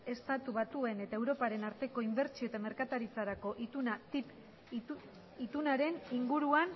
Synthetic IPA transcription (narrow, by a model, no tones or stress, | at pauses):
e̞st̪at̪uβat̪ue̞ne̞t̪ae̞wɾo̞paɾe̞naɾt̪e̞ko̞imbe̞ɾt͡ʃioet̪ame̞ɾkat̪aɾit͡saɾako̞ʔiunat̪ip | it̪unaɾe̞niŋɡuɾuan